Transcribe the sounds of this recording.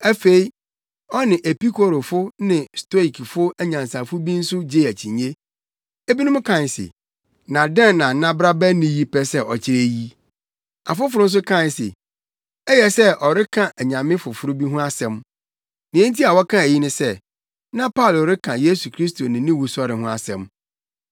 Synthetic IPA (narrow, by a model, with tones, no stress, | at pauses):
æ˦fe˦i˦ | ɔ˦nɪ̃˨ʔe˨pi˦kʰo˨ɾo˨fʊ˦nɪ̃˨stɔ˦i˨kʰfʊ˦æ˦ɲã˨nsa˨fʊ˦bi˦n̩˦sʊ˦d͡ʑe˦˨æ˨t͡ɕʰĩ˨ɲe˦ | e˦bi˦nʊ̃˦m˦kʰã˦˨nsɪ̰˨ | nã˨dɛ̃˦˨nː˨ã˨nã˦bɾa˦bæ˦nĩ˦ji˦pɛ˦sɛ˦ɔ̰˨t͡ɕʰɪ˦ɾe˨ji˦ | a̰˨fʊ˦fʊ˨ɾʊ˦n̩˦s̬ʊ˦kʰã˦˨n˨sɪ̰˨ | ɛ˦jɛ˨sɛ˦ʔɔ˨ɾɪ˦kʰã˨ʔæ˨ɲã˨mɪ̃˦fʊ˨fʊ˨ɾʊ˦bi˦ɦʊ̃˦a˦sɛ̃˦m | nĩ˨ɛ̃˦n˦ti˦a˨wɔ˦kʰã˦e˨ji˦nʊ̃˦sɛ˦ | nã˦pʰa˦˨lɾɪ˦kʰã˨je˦su˨kʰɾi˦sto˨nɪ̃˨nĩ˦wu˨sɔ˦ɾɪ˨ɦʊ̃˦a˨sɛ̰̃˨m